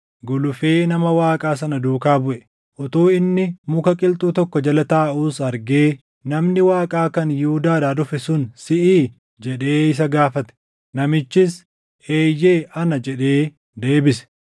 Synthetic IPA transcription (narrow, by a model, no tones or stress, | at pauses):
ɡʊlʊfe̞ːnɐmɐwaːkʼaːs̬ɐnɐd̪uːkaːbʊʔɛ | ʔɔt̪uːɪnːɪmʊkɐkʼɪlt̪ʼuːt̪ɔkːɔd͡ʒɐlɐt̪aːʔuːsɐɾɡeː | nɐmnɪwaːkʼaːkɐnjud̪aːd̪aːd̪ʊfɛsʊnsɪʔiː | d͡ʒɛᶑe̞ːɪs̬ɐɡaːfɐt̪ɛ̥ | nɐmɪt͡ʃːɪs | eːjːe̞ːʔɐnɐd͡ʒɛᶑe̞ː | d̪e̞ːbɪs